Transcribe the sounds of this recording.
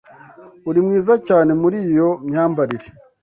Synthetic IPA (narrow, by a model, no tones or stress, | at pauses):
uɾimŋiːzacaːne̞muɾijo̞mɲaːmbaɾiɾe